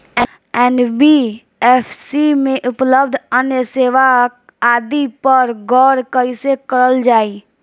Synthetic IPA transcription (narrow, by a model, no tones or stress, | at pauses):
ɛːnbi | ɛːpʰsimẽʔʊpləbd̪ʱənjəseːʋa | aːd̪ipəɾɡɔːɾkəisekəɾəld͡ʒaːiː